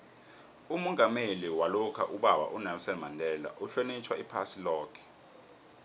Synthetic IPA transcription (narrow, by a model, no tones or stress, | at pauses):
umɔŋɡʱameliwalukʰaʔuɓaɓa̰ʔunɛmsɛnmandʱɛːla̰ʔuɬonit͡ʃʰwaipʰasilɔːkʰɛ̥